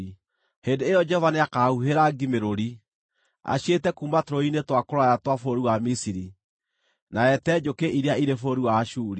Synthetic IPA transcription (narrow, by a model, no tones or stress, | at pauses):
heːndeːjɔd͡ʒɔɔvaneakauɦeɾaɡimeɾoɾi | a̰ɕjetɛkuːmbatoɾoinetwakoɾwajatwafoɾiwamisiɾi | naɛtɛd͡ʒokeʔiɾeaiɾefoɾiwaːʃuːɾi